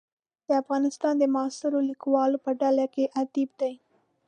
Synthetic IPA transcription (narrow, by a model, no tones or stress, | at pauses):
d̪̥əafɣɑnɪst̪ɑnd̪əmɑst̪ɪɾolikwɑlopəɖalakeʔat̪ib̚d̪aj